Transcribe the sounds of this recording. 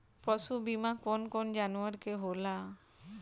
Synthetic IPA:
pɾɔsubimakonkond͡ʒanuaɾkeɦola

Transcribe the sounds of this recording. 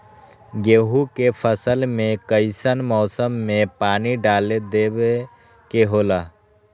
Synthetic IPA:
ɡeːɦukepʰəsəlmẽkəɪsənmɔːsəmːẽpaːniɖaːled̪eːbe | keɦoːlaː

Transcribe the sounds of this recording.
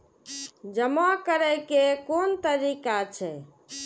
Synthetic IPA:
d͡ʒəmakəɾəjkekont̪əɾikat͡ʃʰɛ

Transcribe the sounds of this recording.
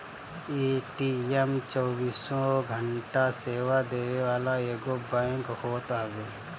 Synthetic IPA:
eːʈiɛmt͡ʃɔːbiːsõɡʱəɳʈaseːwad̪eːɾeʋaːlaeːɡobãkhoːt̪aːbeː

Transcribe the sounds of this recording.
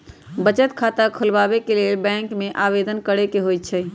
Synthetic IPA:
bət͡ʃət̪kʰat̪akʰəlbabekelelbɛ̃ŋkmeʔabed̪ənkəɽekeɦojt̪̚t͡ʃʰə

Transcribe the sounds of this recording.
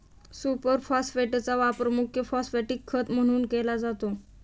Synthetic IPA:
supəɾfɔsfeʈt͡saʋapɾəmukʰjəfɔsfeʈikʰːət̪m̤əɽ̃uːnkelad͡zat̪o

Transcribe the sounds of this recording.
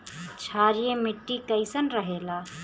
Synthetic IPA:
t͡ʃʰaɾijemiʈːikəɪsənɾəɦela

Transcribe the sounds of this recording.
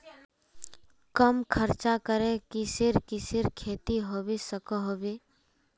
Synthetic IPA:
kəmkʰəɾt͡ʃakəɾẽkisɪɾkisɪɾkʰeːt̪iɦoːbisəkəɦoːbeː

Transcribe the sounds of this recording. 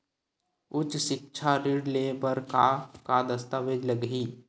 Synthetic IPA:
ʊt͡ʃʃɪk̚t͡ʃʰaɾɪɖlebəɾkakad̪əst̪aʋeːd͡ʒləɡɦiː

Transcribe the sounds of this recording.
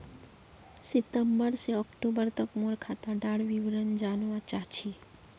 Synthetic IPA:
sɪt̪əmbəɾseɔkʈobəɾt̪əkmoɽkʰat̪aɖaɽʋiʋɾənd͡ʒanʋãt͡ʃat͡ʃʰi

